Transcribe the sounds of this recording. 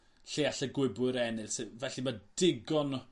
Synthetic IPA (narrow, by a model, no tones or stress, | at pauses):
ɬeaɬəɡwɪbɨɾɛnɪlsevɛɬimad̥ɪɡɔn